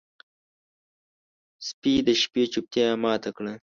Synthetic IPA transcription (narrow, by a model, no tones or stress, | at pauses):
spid̪əʃpet͡ʃup̚t̪jamɑːt̪akɽə